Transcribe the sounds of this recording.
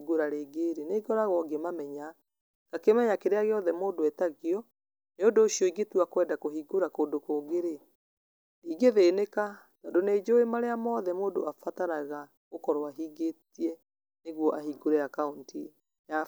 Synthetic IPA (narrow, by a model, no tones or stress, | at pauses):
ɡoɾaɾeɡeɾeneːɡɔɾaɣɔɡemamɛɲa | kakemɛɲakeɾeaɣeɔðɛmoːndoɛtaɣjɔ | neodoːɕiɔiɡetuakwɛːndakoɦiɡoɾakoːdokoːɡeɾe | iɡeðeneka | tadoneːd͡ʑoemaɾeamɔːðɛmoːdoafataɾaɣa | ɣokɔɾoaɦiːɡetiɛ | neɣwɔʔahiɡoɾeakaunti | ja